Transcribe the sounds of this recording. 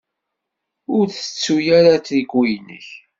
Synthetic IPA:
ʊɾθə̥t͡sːujaɾat͡sikwijnə̰ç

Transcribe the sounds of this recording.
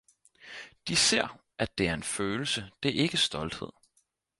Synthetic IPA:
d̥ise̝ɐ̰ | ʔæd̥e̝æɐe̝nføːl̩səd̥eʔe̝ɡ̥əsd̥ɒ̽ld̥heð̰ˠ

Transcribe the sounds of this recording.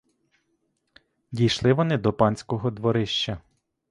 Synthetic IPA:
dʲijʃlˠɪʋɔnɪd̪ɔpɑnʲsʲkɔɦɔd̪ʋɔɾɪʃt͡ʃɐ

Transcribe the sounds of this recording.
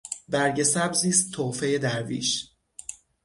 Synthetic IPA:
bæɾɟe̞sæbziːst̪ʰːoːfe̞jed̪æɾvḭːʃ

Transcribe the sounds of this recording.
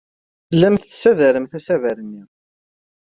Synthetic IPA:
θəlːæmθsæðæɾəmθæsævæɾənːiʁ

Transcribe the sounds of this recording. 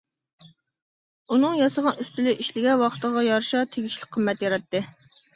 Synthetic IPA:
unɨŋjɑsəʁɑnyst̪ylɪʔiʃlɪɡʲɛwɑqʰə̥t̪əʁɑjɑɾʃɑt̪ʰeɡʲiʃlɪk̚ʲqʰəmːɛt̪jɑɾɑt̪ːɨ

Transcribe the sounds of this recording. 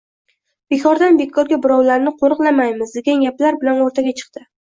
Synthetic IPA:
b̥e̞kʰɒɾd̪anbe̞kʰɒɾɡʲabʊɾɒwlaɾnɪqʰoɾɨqlˠamajmɪzd̪e̞ɡʲanjaplaɾbɪlanoɾt̪ʰaɡʲat͡ʃʰɨ̥qt̪ɪ

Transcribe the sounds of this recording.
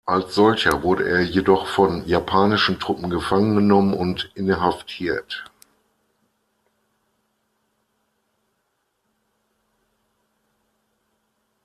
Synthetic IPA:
ʔalsz̥ɔlçɐvʊɐɾəʔeːɐjedɔχfɔnjapʰaːnɪʃn̩tʁ̥ʊpm̩ɡəfaŋənɡənɔmənʊntʔɪnɦaftʰiːɐt

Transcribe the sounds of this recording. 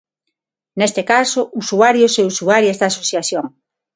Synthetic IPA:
nest̪ekasʊusuaɾjoseusuaɾjezd̪aːsoθjaθjoŋ

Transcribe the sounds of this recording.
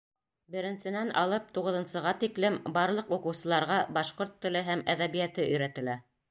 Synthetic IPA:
bɘ̆ɾɘ̆nsɘ̆nænʔɑ̰lˠɤp̚t̪uʁɤ̆ðɤ̆nsɤ̆ʁɑt̪iklɘmbɑɾlˠɤquqɤ̆wsɤ̆lˠɑɾʁɑbɑʃqoɾt̪ːɘ̆lɘɦæmæðæβijæt̪ɘɵ̆jɾæt̪ɘ̆læ

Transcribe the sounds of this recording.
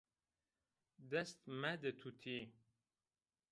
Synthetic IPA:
d̪ɐst̪mæd̪ət̪ʰut̪ʰi

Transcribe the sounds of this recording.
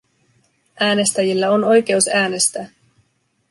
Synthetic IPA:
ʔæːne̞st̪æjilːæo̞no̞jk̟e̞usæːne̞st̪æː

